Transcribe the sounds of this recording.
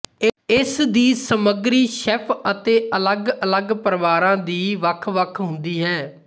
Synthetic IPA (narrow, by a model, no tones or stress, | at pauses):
ɪsd̪iːsəməɡɾiːʃɛpʰət̪eːʔələɡələɡpəɾəʋaːɾãːd̪iːʋəkʰʋəkʰɦʊ̃nd̪iːɦɛː